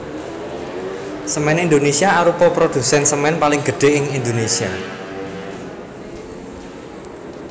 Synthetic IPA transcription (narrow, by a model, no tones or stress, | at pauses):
səmɛnind̪onesiaaɾupɔpɾod̪̥ṳsɛnsəmɛnpalɪŋɡ̥ə̤ɖ̥e̤ʔɪŋind̪onesia